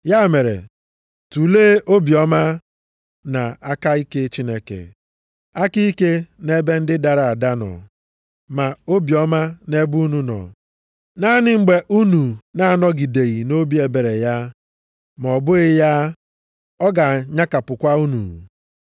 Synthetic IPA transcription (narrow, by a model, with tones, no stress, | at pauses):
ja˦˨me˨ɾḛ˨ | tu˨leː˦ʔo˦bi˨ɔ˦ma˦ | na˨a˦ka˦i˦ke˦t͡ʃi˦ne˦kḛ˨ | a˦ki˦i˦ke˦ne˦be˦n̩˦dɪ˦da˨ɾa˨a˨da˦nɔ̰˨ | ma˨o˦bi˨ɔ˦ma˦ne˦bu˦nu˦nɔ̰˨ | na˦nɪ˦ŋ͡m̩˨ɡ͡be˨ʔu˦nu˨na˨˦a˨nɔ˦ɡi˨de˨ɣi˨no˦bi˦e˨be˨ɾe˨ja˦ | m˨ɔ˨bʊ˦ɣɪ˦ja˦ | ɔ˦ɡa˨ɲa˦ka˨pʊ˨kʷa˦u˦nṵ˨